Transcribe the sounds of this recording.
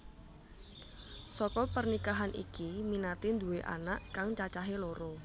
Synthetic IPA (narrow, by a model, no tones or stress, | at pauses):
sɔkɔpərnikaɦanʔḭkiminat̪ind̪uweʔa̰naʔkaŋt͡ʃat͡ʃaɦeloɾɔ